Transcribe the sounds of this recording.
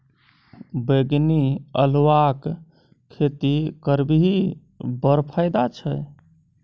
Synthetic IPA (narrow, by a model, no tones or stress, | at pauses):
beɡniə̰lwak | kʰːet̪ikəɾbiɦi | bəɾpʰəjd̪at͡ʃʰəj